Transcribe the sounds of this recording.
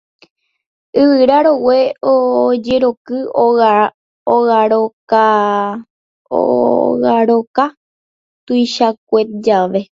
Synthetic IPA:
ɨʋɨɾaɾoweod͡ʒe̞ɾo̞kɨo | oɣaɾoka | o̰ɣaɾoka | t̪ujʃak̚ʷet̪̚d͡ʒaʋe̞

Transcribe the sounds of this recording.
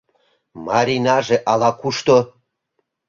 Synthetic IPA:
mɑɾʲinɑʒeʔɑlɑkuʃt̪o

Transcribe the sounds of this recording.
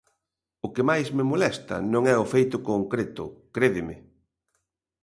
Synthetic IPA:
ʊkɪmajzmɪmolɛst̪ɐ̰nõŋɛʊfejt̪ʊkoŋkɾet̪ʊ̰kɾeðɪmɪ

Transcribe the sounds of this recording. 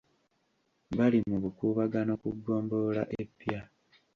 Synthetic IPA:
βalimuβukuːβaɡano̞kuɡːo̞ːmbo̞ːla̰ʔepːja

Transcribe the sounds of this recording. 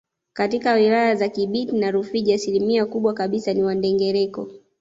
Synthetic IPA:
katikawilajazakiɓitinaɾufiʄiasilimiakuɓwakaɓisaniwandɛŋɡɛɾɛkɔ̰

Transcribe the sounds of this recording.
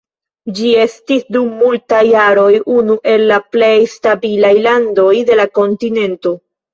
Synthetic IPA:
d͡ʒie̞stisdumːultajːaɾo̞jʔunuʔe̞lːaple̞jstabilajlando̞jde̞lako̞ntine̞nto̞

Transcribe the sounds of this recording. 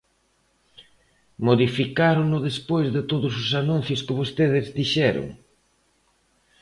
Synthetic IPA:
moðifikaɾʊnʊðespojzðɪt̪oðʊs̬ʊsanũn̟θjʊskɪβost̪eðɪzðiʃɛɾʊ̰ŋ

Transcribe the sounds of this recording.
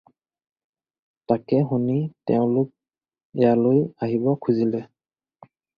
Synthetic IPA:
takɛɦunitɛʊ̃lʊk̚ | ɛjalojaɦibɔkʰuzilɛ

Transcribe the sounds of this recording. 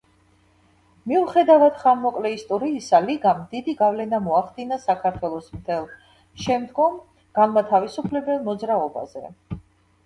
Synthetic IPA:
miuχɛd̪avad̪χamːɔkʼlɛist̪ʼɔɾiːsaliɡamd̪id̪iɡavlɛnamɔaχd̪inasakʰaɾt̪ʰwɛlˠɔsmt̪ʰɛlˠ | ʃɛmd̪ɡɔm | ɡ̥anmat̪ʰavisupʰlɛbɛlˠmɔd̪zɾaɔba̰zɛ̰

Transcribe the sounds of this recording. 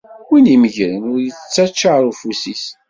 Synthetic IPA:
winiməʝɾənʊɾjət͡sːæt͡ʃːaɾufusis

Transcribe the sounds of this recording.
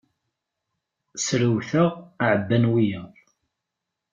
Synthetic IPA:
sɾəwθəʁʕəbːænwijə

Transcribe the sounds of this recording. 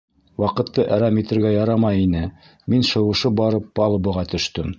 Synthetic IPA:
wɑqɤ̆t̪ːɤʔæɾɑmit̪ɘ̆ɾɡæjɑɾɑmɑjinɘ | minʃɤ̆wɤ̆ʃɤbɑɾɤpːɑlˠɤ̆bɤ̆ʁɑt̪ɵ̆ʃt̪ɵm

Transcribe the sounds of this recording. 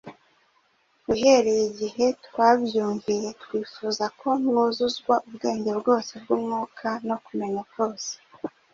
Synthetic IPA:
uɦe̞ɾe̞jiɟihe̞twaːβjuːɲvije̞twiːfuzakʰo̞mŋuzuzɡwaʔubɡe̞ːɲɟe̞bɡo̞ːse̞bɡuːmŋuːkʰano̞kume̞ɲako̞ːse̥

